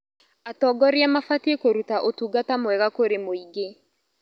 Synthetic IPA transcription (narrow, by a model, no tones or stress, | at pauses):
atɔɡɔɾjamafatiekoɾutaʔotuɡatamwɛɣakoɾemoiɡe